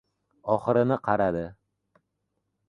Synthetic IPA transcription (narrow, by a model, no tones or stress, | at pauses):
ɒχɨɾɪnɪqʰɑɾad̪ɪ